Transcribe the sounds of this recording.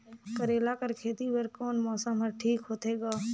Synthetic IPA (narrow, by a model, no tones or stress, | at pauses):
kəɾeːlaːkəɾkʰeːt̪iʋəɾkoːnmɔːsəmɦəɾʈʰiːkɦoːt̪ʰeːɡaː